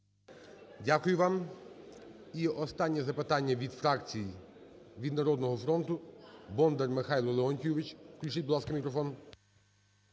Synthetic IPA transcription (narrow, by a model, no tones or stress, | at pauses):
dʲakʊjʊʋɑm | iɔst̪ɑnʲːɛzɐpɪt̪ɑnʲːɐʋʲid̪fɾɑkt͡sʲiji | ʋʲid̪nɐɾɔd̪nɔɦɔfɾɔnt̪ʊbɔnd̪ɛrmɪxɑjlˠɔlˠeɔnʲkʲuʋɪt͡ʃklʲut͡ʃɪt̚ʲbʊd̪lˠɑskɐmʲikɾɔfɔn